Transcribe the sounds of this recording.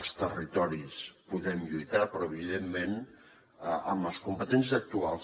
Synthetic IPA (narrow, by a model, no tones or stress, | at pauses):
st̪ərit̪ɔɾispuðɛmʎujt̪apɾɔəβiðemːen | əəməskumpət̪ɛns̬izək̚t̪ualˠs